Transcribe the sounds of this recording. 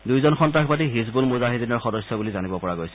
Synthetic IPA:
dujzɔnxɔntɹaxʰbatiɦis̬bulmuzaɦidinɔɹxɔdɔsjɔbulizanibɔpɔɹaɡojsɛ̥

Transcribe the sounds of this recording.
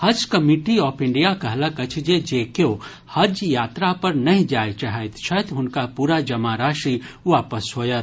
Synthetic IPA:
hɐd͡ʒkɐmiʈiɔːpʰɪ̃ɳɖijakɐɦlakɐt͡ʃʰd͡ʒed͡ʒeːkjoː | hɐd͡ʒjaːt̪ɾapɐɾnɐɦĩd͡ʒaːjt͡ʃaɦət̪t͡ʃʰɐt̪ɦʊnkapuːɾad͡ʒɐmaːɾaːʃiʋaːpəsɦoːjɐt̪

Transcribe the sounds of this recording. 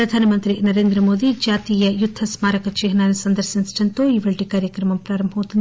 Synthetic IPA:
ɾɐd̪ʱaːnɐmɐnt̪ɾinɐɾe̞ːnd̪ɾɐmoːd̪id͡ʒaːt̪iːjɐjud̪ʱːɐsmaːɾɐkɐt͡ʃeːɦɐnaːnisɐnd̪ɐɾsinsʈɐnt̪oːiːʋɐɭʈikaːɾjɐkɾɐmɐmpɾaːɾɐmbʱɐʋut̪ːɐnt̪

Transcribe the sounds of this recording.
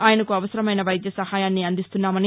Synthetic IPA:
aːjɐnɐkuɐʋɐsɐɾɐmɐjnɐʋɐjd̪jɐsɐhaːjaːnːiɐnd̪ist̪unːaːmɐni

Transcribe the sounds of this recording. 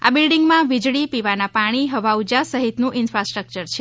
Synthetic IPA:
a̰bilɖiŋɡmãʋid͡ʒɭipiʋanapaɽ̃iɦəʋaud͡ʒasəɦit̪nũʔɪnfɾasʈɾək̚t͡ʃəɾt͡ʃʰe

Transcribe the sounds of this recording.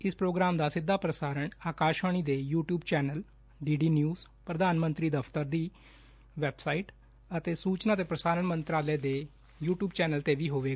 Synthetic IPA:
ɪspɾoːɡɾaːmd̪aːsɪd̪ʱːaːpɾəsaːɾəɳaːkaːʃʋaːɽ̃iːd̪eːjuːʈjuːbt͡ʃɛːnəl | ɖiːɖiːnjuːz | pɾəd̪aːnmənt̪ɾiːd̪əpʰt̪əɾd̪iː | ʋɛːbsaːiːʈ | ət̪eːsuːt͡ʃnaːt̪eːpɾəsaːɾəɳmənt̪ɾaːlɛːd̪eː | juːʈjuːbt͡ʃɛːnəlt̪eːʋiːɦoːʋeːɡa

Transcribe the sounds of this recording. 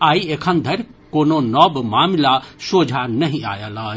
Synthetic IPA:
aːieːkʰə̃nd̪ʱɐɾʲkoːnonɔbmaːmlasoːd͡ʒʱanɐɦĩa̰ːjalaː

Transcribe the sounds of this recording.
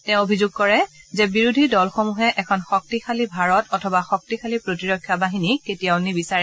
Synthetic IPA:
tɛ̃ʊ̃obʱizʊɡ̚kɔɹɛzɛbiɹudʱidɔlxomuɦɛʔɛkʰɔnxɔk̚tixalibʱaɹɔtɔtʰɔbaxɔk̚tixalipɹotiɹɔkʰːjabaɦiniketijaʊnibisaɹɛ

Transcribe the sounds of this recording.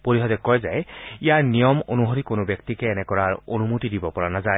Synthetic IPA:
poɹiɦɔdɛkɔjzajijaɹnijɔmonuɦoɾikonʊbjɔk̚tikɛːnɛkɔɹaɹo̰numutidibɔpɔɹanazaj

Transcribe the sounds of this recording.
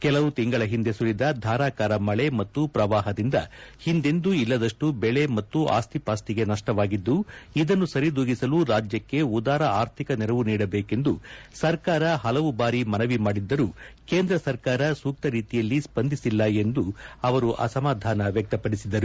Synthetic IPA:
kɛlɐʋut̪iŋɡɐɭɐɦind̪e̞sulid̪ɐd̪ʱaːɾaːkaːɾɐmɐɭe̞mɐt̪ːupɾɐʋaːɦɐd̪ind̪ɐhind̪e̞nd̪uilːɐd̪ɐʂʈubɛɭe̞mɐt̪ːuʔa̰ːst̪ʰipaːst̪iɡe̞nɐʂʈɐʋaːɡid̪ːuid̪ɐnːusɐɾid̪uːɡisɐluɾaːd͡ʒjɐkːe̞ud̪aːɾɐaːɾt̪ʰikɐnɛɾɐʋuniːɽɐbeːke̞nd̪usɐɾkaːɾɐɦɐlɐʋubaːɾimɐnɐʋimaːɽid̪ːɐɾukeːnd̪ɾɐsɐɾkaːɾɐsuːk̚t̪ɐɾiːt̪ijɐlːispɐnd̪ʱisilːɐe̞nd̪uɐʋɐɾuʔɐ̰sɐmaːd̪ʱaːnɐʋjɐk̚t̪ɐpɐɽisid̪ːɐɾu

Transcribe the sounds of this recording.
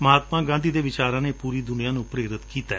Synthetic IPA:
məɦaːt̪mãːɡãːnd̪ʱiːd̪eːʋɪt͡ʃaːɾãːneːpuːɾiːd̪ʊnijãːnũːpɾeːɾɪt̪kiːt̪aː

